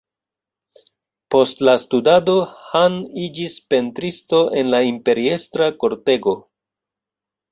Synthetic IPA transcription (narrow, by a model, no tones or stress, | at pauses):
po̞stlastudado̞hanid͡ʒispe̞ntɾisto̞ʔe̞nlaimpe̞ɾie̞stɾako̞ɾte̞ɡo̞